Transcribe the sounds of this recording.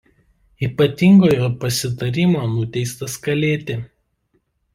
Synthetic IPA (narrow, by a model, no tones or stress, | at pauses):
iːpɐt̪ʲɪŋɡoːjoːpɐsʲɪt̪ɐɾʲimoːnʊt̪ʲɛɪst̪ɐskɐlʲeːt̪ʲɪ